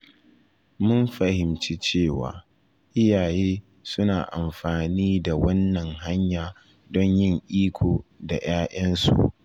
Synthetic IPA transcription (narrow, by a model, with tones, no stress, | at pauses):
mʊ˦mɸa˨hɪ˨mt͡ʃi˦t͡ʃeː˦˨wa̰ː˨ | ʔɪ˦jaː˨jeː˦ | sʊ˦naː˨ʔa˨mɸaː˨niː˦da˨wɐ˦nːɐ˨ŋɦa˦ɲjaː˨ | dɔ˦ɲjɪ˦˨ŋʔiː˦kʷʰoː˨da˨j̰aː˦ʔɐ˦nsṵ˨ʔ